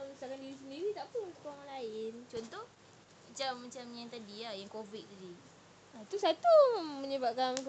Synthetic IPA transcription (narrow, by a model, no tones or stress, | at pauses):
sakandiɾis̬əndiɾit̪aʔpəunt̪ʊkːraŋanlaɪnt͡ʃɔnt̪ɔh | mat͡ʃamːat͡ʃamɲaŋt̪adiahjaŋkovit̪̚t̪adi | at̪usat̪uməɲəbap̚kank